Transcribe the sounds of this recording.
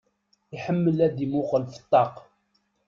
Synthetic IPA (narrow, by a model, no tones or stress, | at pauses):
ɪħəmːəlæd̪imʊqəlfə̥t̪ˤːɑq